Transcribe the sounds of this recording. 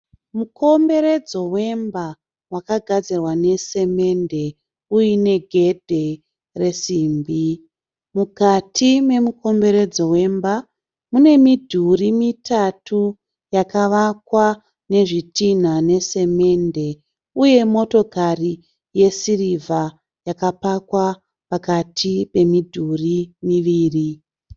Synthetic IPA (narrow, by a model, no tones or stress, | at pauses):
muko̞mbe̞ɾe̞d͡zo̞we̞mba | wakaɡʱad͡zirwane̞se̞me̞nde̞ | ujine̞ɡʱe̞dʱe̞ | re̞siːmbi | mukatʰime̞mukʰo̞mbe̞ɾe̞d͡zo̞we̞mba | mune̞midʱurimitʰatu | jakaʋakwa | ne̞ʐitin̤ane̞se̞me̞nde̞ | uje̞mo̞to̞kari | je̞sirivʱa | jakapakwa | pakatʰipe̞midʱurimiʋiːri